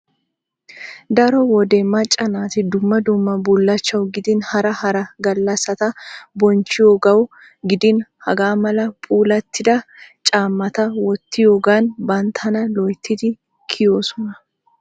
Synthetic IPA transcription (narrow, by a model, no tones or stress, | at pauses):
d̪ɐɾɔwɔd̪eːmːɐt͡ʃʼɐnaːt̪ɪd̪ʊmːɐd̪ʊmːɐbʊlːɐt͡ʃːɐwɡɪd̪ɪnhɐɾɐhɐɾɐɡɐlːɐsɐt̪ɐbɔnt͡ʃːɪjoɡɐwʊ | ɡɪd̪ɪnhɐɡaːmɐlɐpʼuːlɐt̪ːɪd̪ɐt͡ʃʼaːmːɐt̪ɐwɔt̪ːɪjoɡaːnbɐnt̪ɐnɐlɔjt̪ʰːɪd̪ɪ | kʰɪjoːsɔnɐ